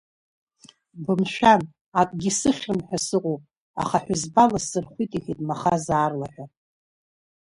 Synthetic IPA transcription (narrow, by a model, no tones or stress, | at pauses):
bɨmʃᶣan | akʼɡʲisɨχʲrɨmħʷᶣasɨqʼowpʼ | a̰χaħʷazbalasɨrχʷitʼiχitʼmaχazaːrlaħʷᶣa